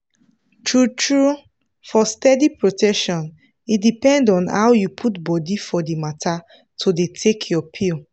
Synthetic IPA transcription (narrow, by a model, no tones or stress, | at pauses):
tɹutɹu | fɔstɛdipɹotɛkʃɔ̃n | itdipɛ̃ndɔ̃na̰wjupʰutbɔdifɔdimatʰa | tʰodetʰekʰjɔpʰil